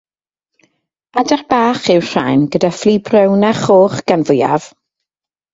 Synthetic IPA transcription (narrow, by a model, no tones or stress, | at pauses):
adɛrb̥aːχɪwr̥a̰jnɡədafliːbrəwnaχoːχɡ̥anvʊja̰v̥